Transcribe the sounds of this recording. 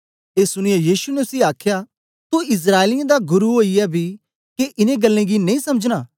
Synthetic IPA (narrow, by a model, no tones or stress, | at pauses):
eːsʊɽ̃ɪjajiːʃunɛsiːaːkʰja | t̪oɪs̬ɾaːelɪjẽd̪aɡʊɾuɦoːijɛbʱi | keʔɪnẽɡɐlːẽɡinɐ̃ĩsɐməd͡ʒnaː